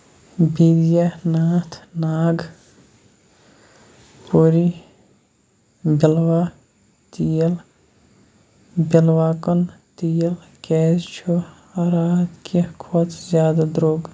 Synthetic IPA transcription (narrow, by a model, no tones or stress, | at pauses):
bid̪janaːt̪ʰnaːɡ | poːɾi | bilwa | t̪ijɐl | bilwaːkɐnt̪ijɐl | kɛːzt͡ʃʰo | ɐɾaːt̪kʰikʰot̪ʰzjaːd̪ad̪ɾoːɡ